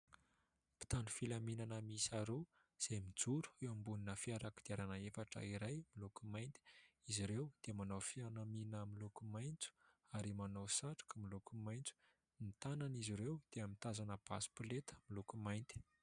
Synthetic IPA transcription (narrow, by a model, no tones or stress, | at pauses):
pi̥t̪anufilaminanəmisaɾew | z̥emid͡zuɾu̥ewambuninəfiaɾakid̪iaɾanəefaʈ͡ʂə̰iɾajmilukumajnt̪i̥iziɾewd̪̥emanawfianaminəmilukumajnt͡su̥ | aɾimanawsaʈ͡ʂḁkəmilukumajnt͡su̥ | mit̪ananiziɾewd̪̥eəmit̪azanəb̥asi̥pulet̪ə̥milukumajnt̪i̥